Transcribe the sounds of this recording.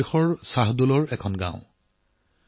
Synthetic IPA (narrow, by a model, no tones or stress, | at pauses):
ixɔɹsaɦdolɔɹɛkʰɔnɡã̰ʊ̃